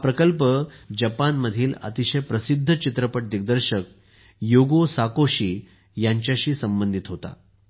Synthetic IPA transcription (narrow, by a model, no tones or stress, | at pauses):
apɾəkəlpəd͡ʑəpanməd̪ʱiːlə̰t̪iɕəjpɾəsid̪ʱːət͡ɕit̪ɾəpəʈ̚d̪iɡ̚d̪əɾɕək̚ | joɡosakoɕiː | jaɲt͡ɕjaɕiːsəmbənd̪ʱit̪ɦot̪a̰